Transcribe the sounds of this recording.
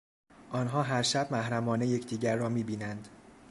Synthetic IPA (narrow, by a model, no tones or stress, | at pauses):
ʔɒːnɦɒːɦæɾʃæb̥̚mæhɾæmɒːneje̞cʰd̪iːɟæɾːɒːmiːbiːnænd̪̥